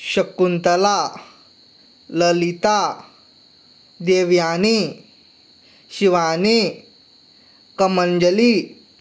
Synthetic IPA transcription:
ɕɐkːunt̪ɐla | ləlit̪a | d̪eʋjaːni | ɕiʋani | kɐmənd͡ʒɐli

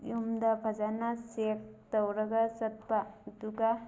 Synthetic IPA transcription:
jumdɐbʱɐd͡ʒanasek̚tɐwɾɐɡɐsɐt̚baduɡa

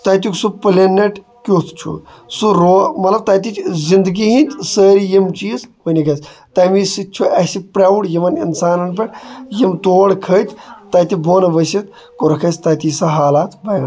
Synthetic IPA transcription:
t̪at̪̬uksupɨlenːeʈ | kʲot̪ʰt͡ʃʰṵ | suɾomɐt̪lɐb̚t̪aːt̪̬it͡ʃzind̪ɡiɦĩt̪səːɾijimt͡ʃiːzʋənʲikʰɐsʲt̪ajmisit͡ʃʰuɐsipɾaʋuʈjiʋɐnḭnsaːnɐnpeʈjimt̪oːɽkʰət̪ʰt̪at̪iboːnɐʋəsit̪ | koɾɐkʰɐst̪at̪isɐɦaːlaːt̪bɐjɐ

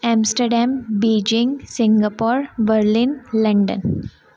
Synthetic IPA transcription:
ɛ̃msʈəɾɖãmbeːd͡ʒɪ̃ŋɡsɪ̃ŋɡapɔːɾʋəɾlinlɐ̃ɳɖə̰̃n

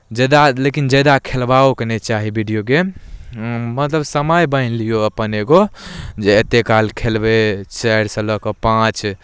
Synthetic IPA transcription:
d͡ʒed̪alekind͡ʒɛd̪akʰelbaoknet͡ʃaɦibʱiɖijoɡe | mət̪ləbsəməjbəjnlijoəpəneɡod͡ʒeet̪ekalkʰelbet͡ʃɛɽsə̃ləkɔpãt͡ʃ

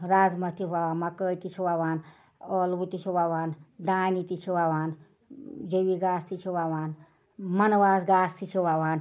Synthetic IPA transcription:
ɾaːd͡zmɐt̪ibaaːnmakət̪it͡ʃʰiwawaːn | ɔlbut̪it͡ʃʰiwawaːnd̪aːnit̪it͡ʃʰiwaːwaːn | d͡ʒowiɡaːst̪ʰit͡ʃʰiwawaːn | mɐnwaːsɡaːst̪ʰit͡ʃʰiwawaːn

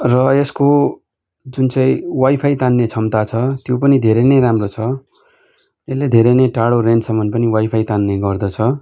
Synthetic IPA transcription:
rʌesko | d͡zunt͡sʌĩwajpʰajt̪anːet͡sʰʌmt̪at͡sʰʌt̪jopʌnid̪ʱeɾeneɾamrot͡sʰʌ | elːed̪ʱeɾenejʈaɽorensʌmːʌnpʌniwajpʰajt̪anːeɡʌrd̪ʌt͡sʰʌ

